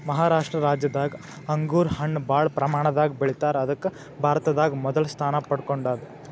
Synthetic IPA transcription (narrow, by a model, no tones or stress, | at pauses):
mɐɦaːɾaːʂʈɾɐɾaːd͡ʒjɐd̪aːɡi | ɐŋɡuːɾhɐɳːbaːɭpɾɐmaːɳɐd̪aːɡibeɭit̪aːɾɐd̪ɐkːu | bʱaːɾt̪ɐd̪aːɡimɔd̪ɐlst̪ʰaːnɐpɐɽkoɳɖaːd̪e